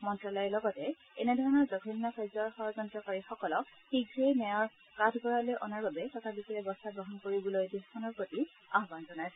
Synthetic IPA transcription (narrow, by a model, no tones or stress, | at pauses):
mɔntɹɔlɔjɛlɔɡɔtɛ | ɛnɛdʱɔɹɔnɔɹzɔɡʱʰinːɔxʰɔjzɔɹxɔɹɔzɔntɹɔkaɹixɔkɔlɔk̚ | xiɡɹejnɛjaɹ | katʰɡɔɹalejʔɔnaɹbabɛtɔtʰabikilɛbɔstaɡɹɔɦɔnkoɹibulɔjdiskʰɔnɔɹpɹoti | aɦbanzɔnajsɛ